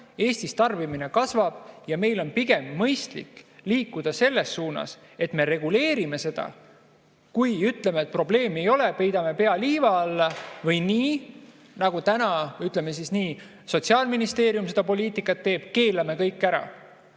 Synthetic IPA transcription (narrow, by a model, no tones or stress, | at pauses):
e̞ːst̪ist̪ɑrbimine̞kɑsvɑb̥jɑme̞jlo̞npiɡ̥e̞mːɤjst̪lḭkːliːkːˑud̪̥ɑse̞lːe̞sːuːnɑ̰s | e̞t̪me̞ɾe̞ɡ̥ule̞ːɾime̞se̞d̪̥ɑ̰ | kujyt̪le̞met̪̚pro̞ble̞ːme̞jo̞le̞pe̞jd̪̥ɑme̞pe̞ɑliːvɑɑlːɑvɤjniː | nɑɡ̥ut̪ænɑyt̪le̞me̞sisniː | so̞t̪ʲsiɑːlminist̪e̞ːɾiumse̞d̥̪ɑpo̞liːt̪ˑikːˑɑt̪ːe̞ːb̥ke̞ːlːɑme̞kɤjkˑːæɾɑ̰